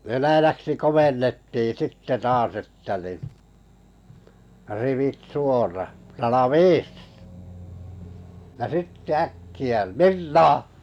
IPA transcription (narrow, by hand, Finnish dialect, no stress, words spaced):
ʋenæjæksi komenːetːiː sitːe tɑːs etːæ ni riʋit suorɑ rɑlɑʋiːs jɑ sitːe ækːiæ mirnɑː